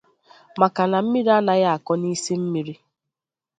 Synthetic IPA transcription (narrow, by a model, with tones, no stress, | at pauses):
ma˨ka˨na˨m̩˦mi˦ɾi˦a˦na˨ja˦a˨kɔ˦ni˦si˦m̩˦mi˨ɾi˦